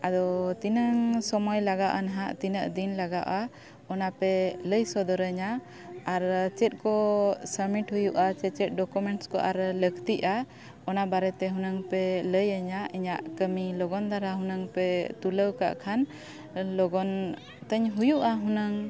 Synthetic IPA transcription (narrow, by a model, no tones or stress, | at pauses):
ad̪ɔt̪inəŋsɔmɔjlaɡaʔanaɦaʔt̪inəʔd̪inlaɡaʔa | ɔnapɛləjsɔd̪ɔɾəɲaː | ɾt͡ʃɛt̪̚ˀkɔsəmiʈɦujuʔat͡ʃɛt͡ʃɛt̪̚ˀɖɔkumɛɳʈskɔ̰ʔaɾləkt̪iʔa | ɔnabaɾɛt̪ɛɦunaŋpɛləjəɲaiɲaʔkəmilɔɡɔnd̪aɾaɦunəŋpɛt̪uləwka̰ʔkʰan | lɔɡɔn | t̪əɲɦujuʔaɦunəŋ